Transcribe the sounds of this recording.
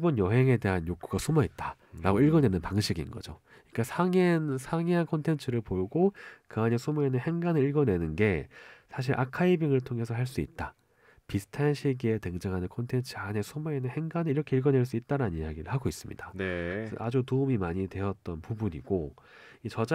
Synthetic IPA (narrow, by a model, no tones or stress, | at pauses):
bonjʌɦe̞ŋe̞de̞ɦanjok͈ʰuɡasʰumʌit̚t͈ḁ | ɾaɡoiɭɡʌnwe̞nɯnpaŋɕʰiɡinɡʌ̰d͡ʑo̰ | ik͈asʰaŋensʰaŋiɦankʰʌntʰe̞nt͡ɕʰɯɾɯɭpoɡokɯaɲesʰumue̞nɯnhe̞ŋɡanɯɾiɭɡʌnwe̞nɯnɡe̞sʰaɕ̬ʰiɾʔa̰kʰaibiŋɯɭtʰoŋe̞sʰʌɦaɭs͈uḭt̚t͈a | pisʰɯ̥tʰanɕʰiɡieteŋd͡ʑaŋɦanɯnkʰʌntʰent͡ɕʰɯane̞sʰumue̞nɯnhe̞ŋɡanɯiɾʌkʰe̞iɭɡʌnwe̞ɭs̬͈uit̚t͈aɾanɯnijaɡiɾɯ̰ɭhaɡois͈ɯmɲḭd̥anesad͡ʑutoumimaɲidwe̞ʌt̚t͈ʌnpubuɲḭɡo | it͡ɕʌd͡ʑa